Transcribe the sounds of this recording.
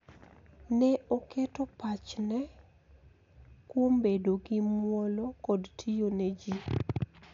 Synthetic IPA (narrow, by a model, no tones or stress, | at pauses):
nɛoketopat͡ʃnɛ | kwombedoɡɪmwɔlɔkɔdtʰijonɛd͡ʒi